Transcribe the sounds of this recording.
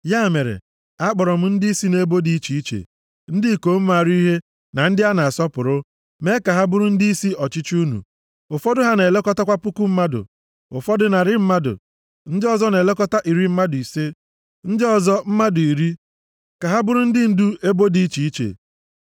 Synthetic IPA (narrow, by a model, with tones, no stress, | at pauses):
ja˦˨me˨ɾḛ˨ | a˦k͡pɔ˨ɾɔ˨m̩˦n̩˦dɪ˦i˦si˦ne˦e˦bo˦di˦i˦t͡ʃi˨i˦t͡ʃḛ˨ | n̩˦dɪ˦˨ko˨˦m̩˦ma˨ɾi˦ɦe˦ | na˨n̩˦dɪ˦a˦na˨a˨sɔ˦pʊ˨ɾʊ˦ | me˦ka˨ɦa˦bʊ˦ɾʊ˦n̩˦di˦i˦si˦ɔ˨t͡ʃɪ˦t͡ʃu˦nṵ˨ | ʊ˨fɔ˦dʊ˦ɦa˦ne˨le˦kɔ˦ta˦kʷa˦pʊ˦ku˦m̩˦ma˦dʊ̰˨ | ʊ˨fɔ˦dʊ˦na˨ɾɪ˦m̩˦ma˦dʊ̰˨ | n̩˦dɪ˦ɔ˨zɔ˦ne˨le˦kɔ˦ta˦ʔi˨ɾi˦m̩˦ma˦dʊ˨i˨se˦ | n̩˦dɪ˦ɔ˨zɔ˦m̩˦ma˦dʊ˨i˨ɾi˦ | ka˨ɦa˦bʊ˦ɾʊ˦n̩˦dɪ˦n̩˦du˦e˦bo˦di˦i˦t͡ʃi˨i˦t͡ʃḛ˨